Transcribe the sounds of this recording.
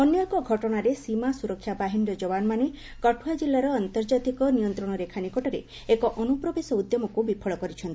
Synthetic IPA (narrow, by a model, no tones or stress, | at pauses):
ɔnːjɔkɔɡʱɔʈɔɽ̃aɾesimasuɾɔkʰːjabaɦindɔd͡ʒɔbanɔmane | kɔʈʰuwad͡ʒilːaɾɔant̪ɔɾd͡ʒat̪ikɔnijɔnt̪ɾɔɽ̃ɔɾekʰanikɔʈɔɾḛ | ekɔʔɔnupɾɔbesɔud̪jɔmɔkubipʰɔɭɔkɔɾit͡ʃʰɔnt̪i